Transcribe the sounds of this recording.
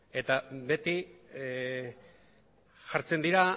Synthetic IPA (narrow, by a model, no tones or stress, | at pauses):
e̞t̪abe̞t̪i | ʝaɾt͡se̞nd̪iɾa